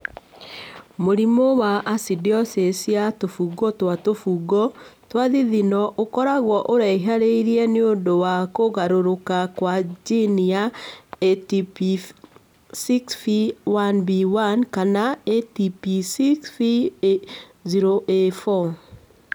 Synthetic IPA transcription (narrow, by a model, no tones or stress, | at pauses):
moɾimɔwaʔasidiɔsesjatofuɡɔtwatofuɡɔtwaðiðinɔʔokɔɾaɣwɔʔoɾaiɦaɾeiɾiɛneondowakoɣaɾoɾokakwad͡ʒinijaetipi | siksfiwanbiwankanaetipisiksfi | ziɾoʔefɔ